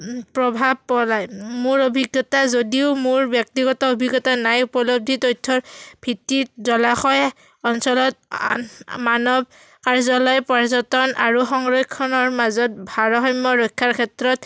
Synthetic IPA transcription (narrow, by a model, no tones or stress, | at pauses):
pɹɔbʱab̚pɔlajmʊɹobʱiɡjɔtazodiʊmʊɹbjɔk̚tiɡɔtɔobʱiɡɔtanajupɔlob̚dʱitojtʰːɔɹb̥ʱitːit̚zɔlaxɔj | ɔnsɔlɔt̚ | manɔb̚ | kaɹzɔlɔjpaɹzɔtɔnaɹuxɔŋɹɔjkʰːɔnɔɹmazɔt̚bʱaɹɔxɔjmːɔɹɔjkʰːaɹkʰɛtɹɔt̚